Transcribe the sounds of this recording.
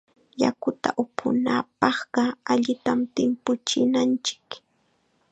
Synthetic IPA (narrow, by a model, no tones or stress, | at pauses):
ja̰kʊt̪a̰ʔʊpʰʊ̰naːpɑχɢɑaʎɪt̪amt̪ɪmpʊt͡ʃɪnant͡ʃɪ̥k